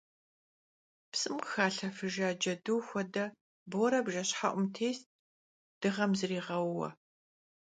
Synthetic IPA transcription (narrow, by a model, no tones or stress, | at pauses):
psʼɨmqxaːɬɐfɨʒaːd͡ʒɐdɨwxʷɔdɐ | boɾɐbʒɐɕħaʔʷʼʊmtʰeːst̚ʼ | d̥ɨʁɐmzɨriːʁɐwːɐ̰